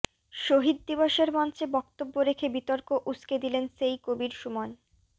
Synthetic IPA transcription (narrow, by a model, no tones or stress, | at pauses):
ʃoɦid̪̚ːiboʃeɾmɔnt͡ɕebɔkt̪obːoɾekʰebit̪ɔɾkoʔusked̪ilensejkobiɾʃumon